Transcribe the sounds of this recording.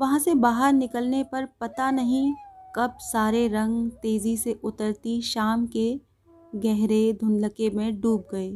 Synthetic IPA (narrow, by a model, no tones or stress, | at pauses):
ʋɐɦãsebaːɦəɾnɪkəlnepɐɾpɐt̪anɐɦĩkɐb̚saːɾeɾɐ̃ŋɡt̪eːziseʔʊt̪əɾt̪iʃaːmke | ɡɛɦɾed̪ʱʊ̃nləkemẽɖuːb̚ɡɐeː